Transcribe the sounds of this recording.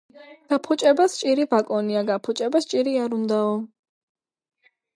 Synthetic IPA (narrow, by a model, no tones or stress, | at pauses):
ɡ̥apʰut͡ʃʼɛbast͡ʃʼiɾivakʼɔniaɡapʰut͡ʃʼɛbast͡ʃʼiɾiaɾund̪aɔ